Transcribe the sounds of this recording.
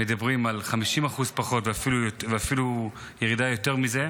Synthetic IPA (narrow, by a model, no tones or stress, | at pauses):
med̪abʁimalχamiʃimaχuzpaχo̞tveafilujotveafilu | jeʁidajo̞te̞ʁmize̞